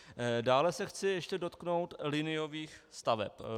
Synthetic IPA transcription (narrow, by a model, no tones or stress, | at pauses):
daːlɛsɛxt͡sɪjɛʃcɛdo̞t̪kno̞wt̪lɪnɪjo̞viːxst̪avɛ̰p